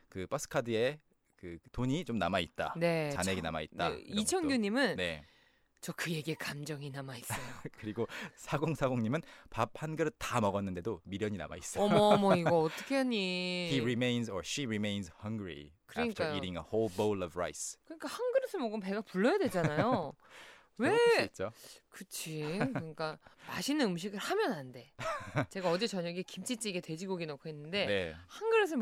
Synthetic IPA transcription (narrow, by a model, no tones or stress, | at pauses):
kɯpasʰɯ̥kʰadɯe̞ | kɯtoɲit͡ɕomnamait̚t͈a̰ne̞t͡ɕaneɡena̰mait̚t͈a̰it͡ɕʰʌnɡjoɲimɯnne̞̰ | t͡ɕʌkɯje̞ɡiekamd͡ʑʌŋinamaisokɯɾiɡosʰaɡoŋsʰaɡoŋɲimɯnpap̚hanɡɯɾɯtamʌɡʌnːɯnde̞domiɾjʌɲina̰ma̰is͈ʌmmʌiɡʌːt͈ʌkʰe̞ɦaɲiiɹimẽɪ̃nsʌɕiɹimẽjnshʌŋɡɹḭkɯɾʌɲik͈ajoiɾiŋəholbolʌvɹa̰jskɯɲik͈ahanɡɯɾɯsʰɯmʌɡɯmpe̞ɡapuɭːʌjadwe̞d͡ʑanajo | we̞t͡ɕ͈okɯt͡ɕʰikɯɲik͈amaɕʰinɯnɯmɕ̬iɡɯɭhamjʌnɦande̞t͡ɕe̞ɡaʌd͡ʑe̞t͡ɕʌɲʌɡiekimt͡ɕʰit͡ɕ͈iɡetwe̞d͡ʑiɡoɡinokʰoɦenːɯnde̞nehanɡɯɾɯs̬ʰɯ